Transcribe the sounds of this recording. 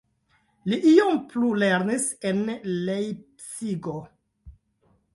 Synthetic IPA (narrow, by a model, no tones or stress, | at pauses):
liʔiomplule̞ɾnisenlejpsiɡo